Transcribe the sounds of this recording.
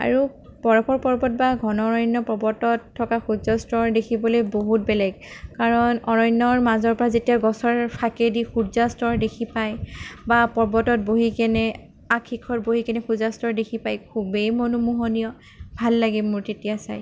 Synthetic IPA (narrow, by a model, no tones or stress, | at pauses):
a̰ɹu | pɔɹɔpɔɹpɔɹbɔt̚baɡʱɔnɔɹɔjnːɔpɹɔbɔtɔtʰːɔkaxuzastɔɹdekʰibɔlojboɦut̚bɛlɛɡkaɹɔnɔɹɔjnːɔɹmazɔɹpɔɹazetijaɡɔsɔɹpʰakedixuzastɔɹdekʰipajbapɔɹbɔtɔt̚boɦikɛnɛ | akʰːikʰɔt̚boɦikɛnɛxuzastɔɹdekʰipajkʰubejmonumuɦɔnijɔ | bʱalːaɡimuɹtetijasa̰j